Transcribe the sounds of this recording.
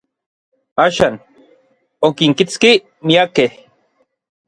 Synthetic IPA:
aːʃaːn | okiŋkit͡ski | miakeh

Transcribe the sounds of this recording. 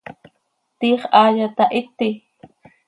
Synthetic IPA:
t̪iːχʔaːjat̪aʔɪt̪i

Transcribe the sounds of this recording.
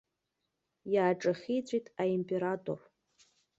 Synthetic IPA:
jaːʈ͡ʂʼaχʲijt͡sʷʼijtʼaimpʼe̞ɾatʼo̰r

